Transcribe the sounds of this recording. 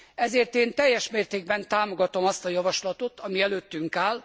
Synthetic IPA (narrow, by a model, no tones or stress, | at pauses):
ɛzeːrt̪eːnt̪ɛjːɛʃmeːrt̪eːɡ̚bɛnt̪aːmo̞ɡɒt̪o̞mɒst̪ɒjɒvɒʃlɒt̪ot̪ɒmiɛløːt̪ːyŋkaːl